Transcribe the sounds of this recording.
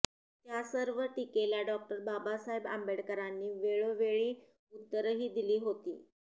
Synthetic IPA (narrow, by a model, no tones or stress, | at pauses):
t̪jasəɾʋəʈikeljaɖɔk̚ʈəɾbabasaɦeba̰mbeɽkəɾanːiːʋeɭoʋeɭiː | ut̪ːəɾɦiːd̪iliːɦot̪ḭː